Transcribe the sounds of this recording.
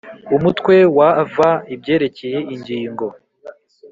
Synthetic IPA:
umutkwe̞wavaibɟe̞ːɾe̞ce̞je̞iɲɟiːŋɡo̞

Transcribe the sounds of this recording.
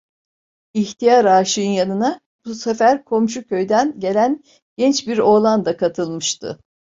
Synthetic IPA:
içt̪ʰijaɾaːʃɯɯnjanɯna | busefæɾkʰo̞mʃ̬ucʰøjd̪ænɟe̞lʲæn | ɟ̥ɛnt͡ʃbiɾo̞ːlˠand̪akʰat̪ʰɯlˠmɯʃt̪ʰɯ̰

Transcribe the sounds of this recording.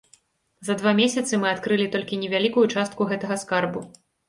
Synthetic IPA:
zɐd̪vamʲesʲɐt̪sɨmɨat̪kɾɨlʲit̪ɔlʲkʲinʲɛvʲalʲikujut͡ʂast̪̚kuɣɛt̪ɐɣɐskarbu

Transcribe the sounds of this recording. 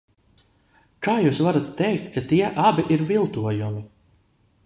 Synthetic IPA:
kaːjuːsvaɾat̪ːɛjkt̪kat̪iɛʔabiʔiɾvilˠt̪uɔjumi

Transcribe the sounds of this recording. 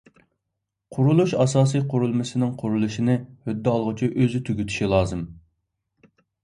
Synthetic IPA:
qʰʊɾulˠuʃɑsɑːsijqʰʊɾulˠmɨsɪnɪŋqʰʊɾulˠuʃinɪhød̪ːɪɑlˠʁʊt͡ʃʰiʔøzyt̪ʰyɡʲyt̪ʰy̥ʃilˠɑːzɨm

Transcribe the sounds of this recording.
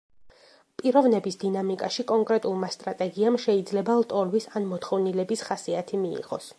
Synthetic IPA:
pʼiɾɔvnɛbisd̪inamikʼaʃikʼɔŋkʼɾɛt̪ʼulˠmast̪ʼɾat̪ʼɛɡiamʃɛid̪zlɛbalˠt̪ʼɔlvisanmɔt̪χɔvnilɛbisχasiat̪ʰimiḭʁɔ̰s

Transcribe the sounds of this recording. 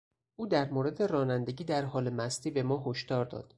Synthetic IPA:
ʔuːd̪æɾmoɾe̞d̪e̞ɾɒːnænd̪e̞ɟiːd̪æɾɦɒːle̞mæst̪iːbe̞mɒːɦo̞ʃd̪ɒːɾd̪ɒ̰ːd̪̥

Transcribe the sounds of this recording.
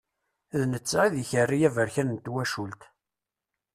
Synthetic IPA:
ðnət͡sːiðiçərːijævəɾçænənt̪ːwæʃult̪

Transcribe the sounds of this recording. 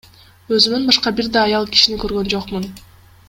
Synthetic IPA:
ø̞zymynbɑʃqɑbiɾd̪ɑːjɑlˠki̥ʃinikø̞ɾɡø̞nd͡ʒo̞qmun

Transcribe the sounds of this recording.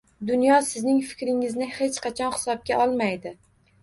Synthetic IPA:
d̪ʊnjɒsɪznɪŋfɪ̥kʲɾɪŋɪznɪhe̞t͡ʃqʰɑt͡ʃʰɒnhɪ̥sɒb̚ɡʲaʔɒlˠmajd̪ɪ

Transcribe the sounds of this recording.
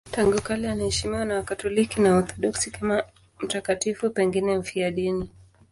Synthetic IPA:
taŋɡukalianahɛʃimiwanawakatɔlikinaɔθɔɗɔksikama | m̩takatifupɛŋɡinɛm̩fiaɗini

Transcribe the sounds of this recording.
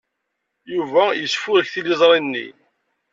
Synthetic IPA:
juvæjəsfʊɾəçθilizˤɾˤinːḭ

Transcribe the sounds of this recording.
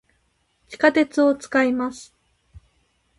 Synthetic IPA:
t͡ɕi̥kat̪e̞t͡sɨo̞t͡sɨ̥kaimasɨ̥

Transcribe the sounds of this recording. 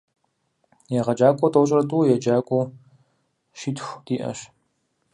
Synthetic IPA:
jɛʁɐd͡ʒaːkʷʼɔtʼoɕʼrɐtʼuːjɛd͡ʒaːkʷʼu | ʃiːtʰxʷd̥iːʔɐ̰ɕ

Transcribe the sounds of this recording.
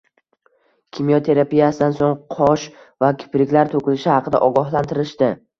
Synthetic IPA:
kʲʰimijɒt̪ʰe̞ɾapijasɪd̪ansoŋqʰɒʃ | vakʲʰɪ̥pɾɪkʲlaɾt̪ʰokʲɪlɪʃɪhɑqʰɨd̪a̰ʔɒɡɒɦlˠant̪ʰɪɾɪʃt̪ɪ

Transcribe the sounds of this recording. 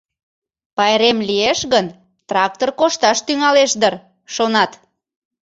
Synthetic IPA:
pɑjɾemlieʃɣən | t̪rɑk̚t̪orkoʃt̪ɑʃt̪yŋɑleʃd̪ər | ʃonɑt̪

